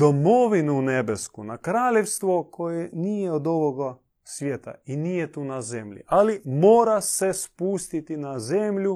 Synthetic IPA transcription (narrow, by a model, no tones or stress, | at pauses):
d̪omoʋinunebeskunakɾaːlʲjewst̪ʋokʰojɛniːjɛod̪oʋoɡa | sʋjeːt̪a̰iniːjɛt̪uːnazemʎḭʔalimoːɾasɛspust̪it̪inazemʎu